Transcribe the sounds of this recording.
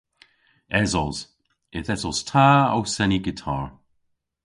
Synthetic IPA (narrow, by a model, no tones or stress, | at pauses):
ɛzɔz̥ | ɪθɛsɔz̥tʰaːa̰wsɛniɡɪtʰa̰ːɹ